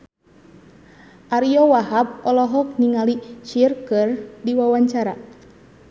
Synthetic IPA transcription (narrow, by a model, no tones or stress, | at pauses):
ʔaɾiɔwaɦap̚ɔlɔɦɔk̚niŋalit͡ʃirkɨrdiwawaɲt͡ʃaɾa